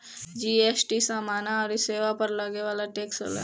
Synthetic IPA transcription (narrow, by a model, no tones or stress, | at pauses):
d͡ʒiːeːsʈisaːmaːnaɔːɾɪseːʋapɐɾlaɡeʋaːlaʈeːksə̰lɛ̰